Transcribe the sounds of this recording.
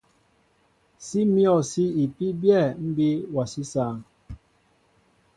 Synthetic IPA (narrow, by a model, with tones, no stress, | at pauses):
si˦mjɔ˨si˦i˨pi˦bjɛ˦˨m̩˦bi˦wa˨si˦saː˦˨ŋ